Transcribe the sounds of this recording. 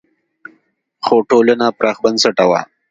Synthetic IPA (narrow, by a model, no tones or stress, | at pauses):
xoʈolənapɾɑːxbansaʈawa̰